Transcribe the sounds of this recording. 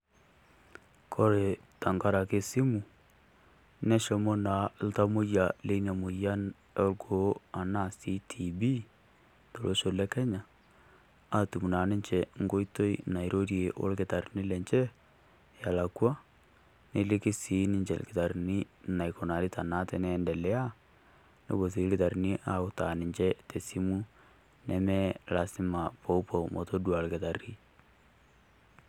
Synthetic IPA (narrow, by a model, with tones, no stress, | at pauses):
kʰo˦ɾe˨ | ta˨ŋɡa˦ɾa˨ke˦si˦mu˨ | nɛ˦ʃɔ˦mo˦na˨l̩˦ta˦mo˦jja˨le˦na˨mo˨ja˦ | ɛ˦lɡo˨˦a˨na˦si˦tʰi˨bi˦ | to˨lʔo˦ʃo˨lɛ˦kɛ˦ɲa˨ | a˦tu˨mu˨na˨ne˦ɲt͡ʃɛ˨ŋɡo˦i˦to˦i˦˨na˨i˨ɾo˦ɾje˨ʔo̰˦lke˨ta˨ɾi˨ni˦lɛ˨ɲt͡ʃɛ˦ | ja˨la˨kwa˦ | ne˦lɪ˦kɪ˦si˦nɪ˦ɲt͡ʃɛ̰˨lkɪ˨ta˨ɾni˦na˨jko˨na˨ɾɪ˦ta˨na˦tɛ˦nɛ˦ndɛ˨lɛ˦a˦ | no̰˦bo˨s̬i˨˦lkɪ˨ta˨ɾni˦ʔa˦ʊ˦ta˨nɪ˨ɲt͡ʃɛ˦te˨si˦mu˦ | nɛmɛ˦la˨sɪ˦ma˨po˦u˦po˨mʔo˨to˦dwa˨lkɪ˨ta˨ri˦